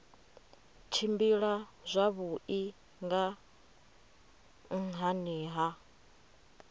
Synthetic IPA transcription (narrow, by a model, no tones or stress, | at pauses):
t͡ʃʰimbiɺazʷaβuʔi | ŋɡa | ŋ̩ɦaniːɦa